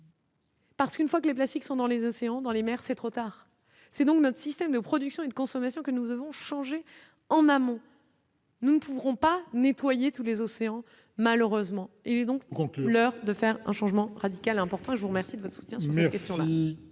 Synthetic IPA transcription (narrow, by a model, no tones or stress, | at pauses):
paʁsə̥kynfwakəleplast̪iksɔ̃d̪ɑ̃lezɔseɑ̃d̪ɑ̃lemɛʁsɛt̪χot̪aːʁ | sɛd̪ɔ̃knɔt̪χə̥sist̪ɛmd̪əpχɔd̪yksjɔ̃ed̪əkɔ̃sɔmasjɔ̃kənud̪əvɔ̃ʃɑ̃ʒe | ɑ̃namɔ̃ | nunəpuvʁɔ̃panet̪wajet̪ulezɔseɑ̃ | maløʁøzmɑ̃ | ilɛd̪ɔ̃klœʁd̪əfɛʁɛ̰̃ʃɑ̃ʒmɑ̃ʁad̪ikalɛ̃pɔʁt̪ɑ̃eʒəvuʁəmɛʁsid̪əvɔt̪χəsu̥t̪jɛ̃syʁsmɛɛkɛst̪jɔ̃la